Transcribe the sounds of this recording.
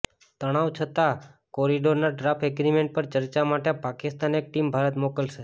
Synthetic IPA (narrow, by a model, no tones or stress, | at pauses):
t̪əɽ̃aʋt͡ʃʰət̪akoɾiɖoɾnaɖɾapʰeɡɾimeɳʈ̚pəɾt͡ʃəɾt͡ʃamaʈepakɪst̪anek̚ʈimbʱaɾət̪mokəlʃe